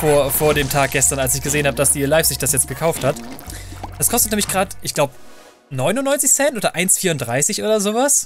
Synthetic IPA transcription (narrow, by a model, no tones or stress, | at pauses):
foːɐfoːɐɾeːmtʰaːk̚ɡ̥ɛstɐnalsɪçɡ̥əzeːənhaːbəd̥asd̥iːlaɪpsɪçd̥asjɛt͡st̚ɡ̥əkʰaʊfthat | d̥askʰɔstət̚nɛːmɪçɡ̥ʁaːtʔɪçɡ̥laʊbə | nɔʏnʊnːɔʏnt͡sɪçsɛntʔoːdɐʔaɪnsfiːɐʊnd̥ʁaɪsɪçʔoːdɐzoːvas